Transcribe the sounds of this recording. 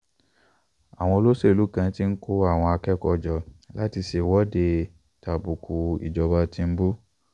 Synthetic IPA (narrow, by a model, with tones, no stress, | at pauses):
a̰˨w̃ɔ̃˧o˧lo˦se˦˨lu˨˦kã˧˦ti˦n̩˦ko˦a˦˨w̃ɔ̃˧a˧kɛ˦kɔ˧˨d͡ʒɔ˨la˦ti˧se˨wɔ˦de˧ | ta˨bu˨ku˨ḭ˨d͡ʒɔ˨ba˧tĩ˧m̩˦bu˦